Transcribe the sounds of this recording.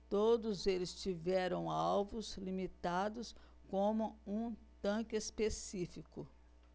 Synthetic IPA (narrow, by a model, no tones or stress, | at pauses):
t̪od̪ʊzelɪst͡ʃivɛɾɐ̃w̃awvʊzlimit̪ad̪ʊs | kõmʊũt̪ɐ̃kɪespesifikʊ